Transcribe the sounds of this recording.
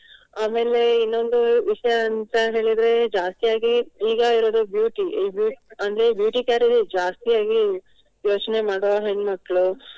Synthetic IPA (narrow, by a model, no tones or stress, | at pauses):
aːme̞ːle̞inːo̞nd̪uʋiʂɐjɐːnt̪ɐɦe̞ːɭid̪ɾe̞d͡ʒaːst̪ijaːɡiiːɡɐiɾo̞ːd̪ubjuːʈibjuːɐnd̪ɐɾe̞bjuːʈikjaːɾid̪id͡ʒaːst̪ijaːɡi | jo̞ːt͡ʃne̞maːɽoɦeɳɖmɐkːɐɭu